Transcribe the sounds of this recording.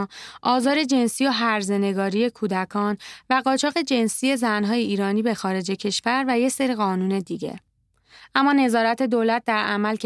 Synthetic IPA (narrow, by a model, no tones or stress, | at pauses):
ʔɒːzɒːɾe̞d͡ʒe̞nsijoɦæɾze̞ne̞ɡɒːɾije̞kʰuːd̪ækʰɒːnvæɢɒːt͡ʃʰɒːɣe̞d͡ʒe̞nsije̞zænɦɒːjeiːɾɒːniːbe̞xɒːɾe̞d͡ʒecʰe̞ʃvæɾvæje̞seɾiɣɒːnuːne̞d̪iɟḛ | ʔæmːɒːne̞zɒːɾæt̪ʰe̞d̪oːlæt̪̚d̪æɾʔæmælc